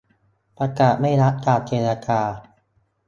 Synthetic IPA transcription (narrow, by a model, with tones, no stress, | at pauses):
pɾa˧kaː˨˩t̪̚ma˥˩jɾa˦˥ʔ̚t̪aː˨˩t̪̚t͡ɕeː˧na˧kaː˧